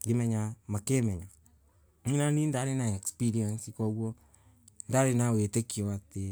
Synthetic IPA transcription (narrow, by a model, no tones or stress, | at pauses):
ɡemɛɲamakemɛɲa | ŋinanindaɾenaɛkspiɾiansikɔɣwɔ | ndaɾenawetekiɔate